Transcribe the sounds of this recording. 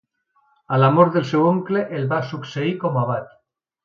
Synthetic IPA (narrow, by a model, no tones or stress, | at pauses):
alamoɾðelsewoŋkleʔelβasukseikomaβ̞aʎ